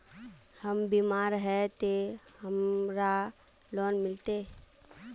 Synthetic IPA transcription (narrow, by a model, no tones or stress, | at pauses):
həmbiːmaːɾɦɛt̪eɦəmɾa | lɔːnmɪlt̪e